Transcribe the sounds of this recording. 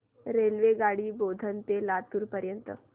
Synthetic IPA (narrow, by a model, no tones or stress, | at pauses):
ɾelʋeɡaɽiːbod̪ʱənt̪elat̪uːɾpəɾjənt̪ə̰